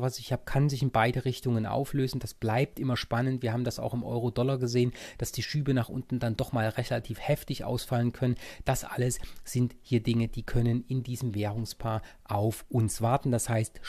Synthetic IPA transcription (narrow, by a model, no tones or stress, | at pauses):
vasɪçhaːbəkʰanzɪçɪnbaɪdəʁɪçtʊŋənʔa̰ʊfløːzn̩d̥asb̥laɪp̚tʔɪmɐʃpanəntv̥iːɐhaːbm̩dasa̰ʊxɪmʔɔ̰ʏʁodɔlɐɡəzeːənd̥asd̥iːʃyːbənaːχʔʊ̰ntn̩dandɔχmaːlʁɛlatʰiːfhɛftɪçʔa̰ʊsfalənkʰœnənd̥asʔa̰ləsz̥ɪnthiːɐdɪŋədiːkʰœnənɪndiːzəmveːʁʊŋspʰaːɐ | ʔaʊfʔʊnsv̥aɐtn̩d̥ashaɪst